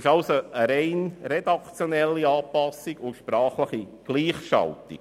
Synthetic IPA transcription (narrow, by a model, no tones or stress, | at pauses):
ɪʃɑlsoəɾɛɪnɾɛd̪ɑkt͡sjonɛlːiɑːpɑsiɡʊʃpɾɑːχləχi | ɡ̥liːχʃɑ̰ltɪ̰